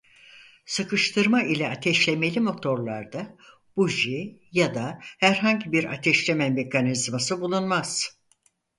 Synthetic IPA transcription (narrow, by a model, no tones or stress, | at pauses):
sɯkɯʃt̪ʰɯɾmailʲɛat̪ʰɛʃlʲeme̞lʲimo̞t̪ʰo̞ɾlˠaɾd̪a | b̥uʒijad̪ahæɾɦaɲɟibiɾa̰t̪ʰɛʃlʲemɛme̞kʰanizmasɯbulˠunmaz̥